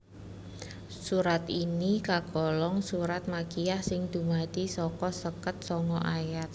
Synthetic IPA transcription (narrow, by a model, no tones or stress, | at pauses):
suɾat̪inikaɡ̥ɔ̤lɔŋsuɾat̪̚makijahsɪŋd̪̥ṳmad̪̥isɔkɔsəkət̪̚sɔŋɔʔajat̪̚